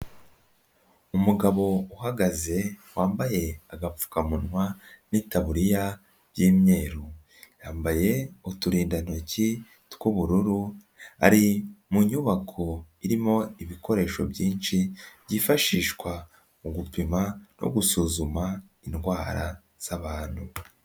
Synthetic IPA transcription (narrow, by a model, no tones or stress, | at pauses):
umuɡaβo̞uɦaɡaze̞waːmbaje̞aɡap͡fu̥kamunŋwanitaβuɾija | bjiːmɲe̞ːɾu | jaːmbaje̞utuɾiːndanoci | tkuβuɾuɾu | a̰ɾimuɲuβakʰo̞iɾimo̞iβikʰo̞ɾe̞ːʃo̞̰bɟiːnʃibɟifaʃiːʃkwa | uɡupimano̞̰ɡusuzuma | inɡwaːɾa̰ | z̥aβaːn̥hu